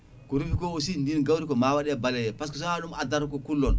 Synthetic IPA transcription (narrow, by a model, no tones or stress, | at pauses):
kɔɾufikɔosindinɡawɾikɔmawaɗɛbalɛjɛpas̬kɔs̬ɔaɗumadaɾkɔkulːɔn